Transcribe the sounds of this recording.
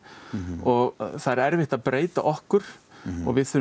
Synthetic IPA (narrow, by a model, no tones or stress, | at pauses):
ɔɣθaðɾɛɾvɪht̪aðpɾʔeːjt̪a̰ʔɔhkʏɾ̥ɔ̰ɣvɪðθʏɾ